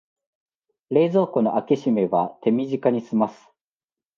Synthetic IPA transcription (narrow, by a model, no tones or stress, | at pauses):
ɾe̞ːzo̞ːko̞no̞ʔakiɕime̞βat̪e̞mʲiʑikaɲ̟isɨmasɨ̥